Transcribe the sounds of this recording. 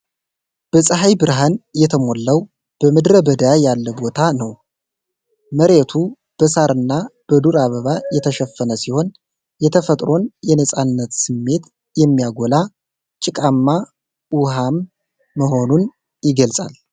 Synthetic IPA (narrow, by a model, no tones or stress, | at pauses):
b̥əsʼəɦajbɨɾɦanjɛt̪ʰəmolːəw | b̥əmɨd̪ɾəbəd̪əjajalːəbo̞t̪ʰanəw | məɾet̪ʰu | b̥əsaɾɨnːab̥əd̪uɾaβəβajɛt̪ʰəʃɛfːənəsiho̞n | jɛt̪ʰəfət̪ʼɾo̞njɛnəsʼanːət̪sɨmːe̞t̪ | jɛmːijaɡola | t͡ʃʼɪkʼamːa | uhamː | əɦo̞nun | jɪɡəlsʼa̰l